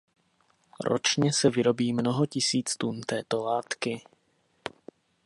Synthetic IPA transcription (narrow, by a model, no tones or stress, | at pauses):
ɾo̰t͡ʃɲɛsɛvɪɾo̞biːmnoɦocɪsiːt͡st̪unt̪ɛːt̪o̞laːt̪kɪ